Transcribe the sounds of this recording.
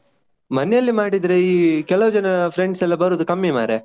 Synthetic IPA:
mɐnɛjɐlːimaːɽid̪ɾeiːkɛlɐʋɐd͡ʒɐnɐpʰɾeɳɖsɛlːɐbɐɾuːd̪ukɐmːimaːɾe

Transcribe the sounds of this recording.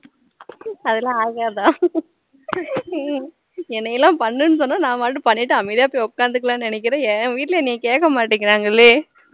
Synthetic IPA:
ɐðɛlãːaːɣaðãː | ɛnːɐɛlːãːpɐɳːɯnːɯsɔnːaːnãːmaːɾipɐɳːɪʈːɯɐmɐɪðjaːpːojɔkːaːnd̪ɯkːɐlãːnɪnɛk̬ʲːɪɾẽːɛʋiːʈɪljɐnĩːkeːkːɐmaːʈːɪŋɡɪɾaːŋɡɐleː

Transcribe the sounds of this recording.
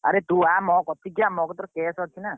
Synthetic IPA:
a̰ɾet̪ũamɔkɔt̪ikjamɔkɔt̪ɔɾɔkesɔt͡ʃʰina

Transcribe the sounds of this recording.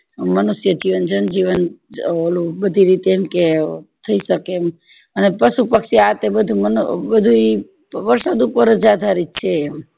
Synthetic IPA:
mənuʃjəd͡ʒiʋənd͡ʒənd͡ʒiʋənolubəd̪ʱiɾit̪eːmket̪ʰəiʃəkem | ənepəʃupəkʃijat̪ebəd̪ʱumənbəd̪ʱui | ʋəɾsad̪upəɾd͡ʒad̪ʱaɾit̪̚t͡ʃʰe

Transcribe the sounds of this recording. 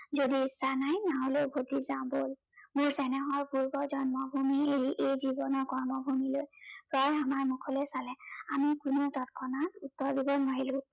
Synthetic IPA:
zodisanajnaɦoleʊbʱodizaʊ̃bol | muɹsɛnɛɦɔɹkuɹbɔzɔnmɔbʱumieɹiʔejzibɔnɔɡɔɹmɔbʱumilojpɹɔjamaɹmɔkʰɔlesalɛamikunɔtɔtkʰɔnatutːɔɹdibɔnɔɦelʊ̃

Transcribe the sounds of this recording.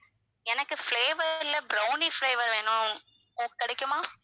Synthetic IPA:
ɛnɐkːɯfleːʋɐɾɪlɐbɾɐʊnifleːʋɐɾʋeːɳʊ̃ | oːkːɪɽɛkʲːɯmaː

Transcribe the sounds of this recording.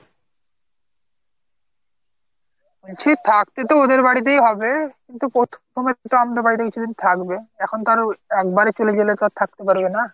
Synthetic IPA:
bolt͡ɕʰit̪ʰak̚t̪et̪ood̪eɾbaɽit̪̬ejɦɔbekint̪upɾot̪ʰomet̪oamd̪obaɽit̪ekit͡ɕʰud̪int̪ʰakbeɛkʰont̪aɾɛkbaɾt͡ɕoled͡ʑelet̪at̪ʰak̚t̪epaɾbena

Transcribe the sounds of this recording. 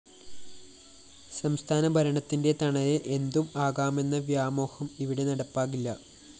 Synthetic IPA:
sɐmst̪ʰaːnɐbʱɐɾɐɳɐt̪ːinde̞t̪ɐɳɐjeʔend̪umaːɣaːme̞nːɐʋjaːmo̞ːhɐmiʋiɽe̞nɐɽɐpːaːɣilːɐ

